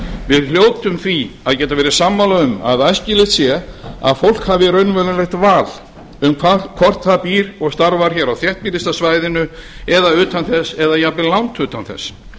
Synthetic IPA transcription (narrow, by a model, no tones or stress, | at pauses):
vɪðl̥joːwt̪ʏmθviaðcɛːt̪avɛːɾɪ̥samːalaʏma̰ðajscɪlɪht̪sjɛa̰ðfowl̥khavɪɾœɥnvɛlalɛxt̪vaːl | ʏmkʰvakʰvɔr̥t̪θaðpiːɾɔɣst̪aɾvaɾ̥çɛɾawθjɛht̪̚piːɾɪst̪asvajðɪnʏɛðaʏːt̪anθɛsɛðajapɪlawnt̪ʏːt̪anθɛ̰s